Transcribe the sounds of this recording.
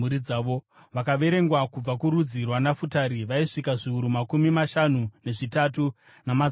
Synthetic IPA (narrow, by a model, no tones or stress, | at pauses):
uɾid͡zaːʋo | ʋakaʋe̞ɾe̞ŋɡwakub͡vakuɾud͡zirwanafutaɾiʋaiʂikaʐiuɾumakumimaʃanune̞ʐitatu | nama